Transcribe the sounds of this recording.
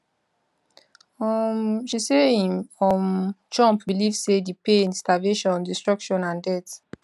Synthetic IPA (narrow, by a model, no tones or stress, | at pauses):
ɔmʃiseĩmɔmt͡ʃɔ̃mpbilivsedipẽnstaveʃɔ̃ndistɹɔkʃɔ̃nãndɛt